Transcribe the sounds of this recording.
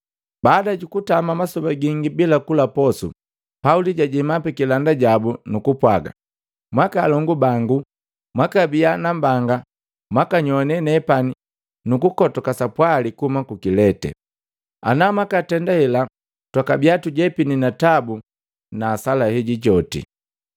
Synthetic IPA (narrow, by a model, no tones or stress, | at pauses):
baːdaɟukutamamasɔbaɡiŋɡibilakulapɔsṵ | pauliɟaɟimapɛkilandaɟabunukupwaɡa̰ | mwakalɔŋɡubaŋɡu | mwakabianambaŋɡa | mwakaɲɔnɛnɛpani | nukukɔtɔkasapwalikuhumakukilɛtɛ̰ | a̰namakatɛndahɛla | twakabiatuɟɛpininatabu | naːsalahɛɟiɟɔtḭ